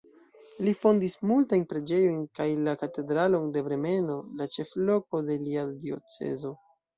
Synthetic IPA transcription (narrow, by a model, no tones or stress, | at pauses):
lifo̞ndismultajnpɾe̞d͡ʒe̞jo̞jnkajlakate̞dɾalo̞nde̞bɾe̞me̞no̞lat͡ʃe̞flo̞ko̞de̞liadio̞̰t͡se̞̰zo̞